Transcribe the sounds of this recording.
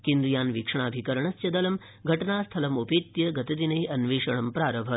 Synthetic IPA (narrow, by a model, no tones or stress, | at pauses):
kend̪ɾujaːnʋikʂɐɳaːbʱikɐɾɐɳɐsjɐd̪ɐlɐm | ɡʱɐʈɐnaːst̪ʰɐlɐmopeːt̪jɐɡɐt̪ɐd̪inɐjɐnʋeːʂɐɳɐmpɾaːɾɐbʱɐt̪